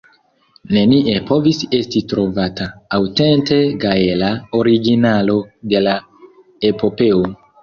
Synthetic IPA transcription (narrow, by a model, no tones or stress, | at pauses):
ne̞niʔe̞po̞vise̞stitɾo̞vataːwte̞nte̞kajelaoɾiɡinalo̞de̞la | e̞po̞pe̞o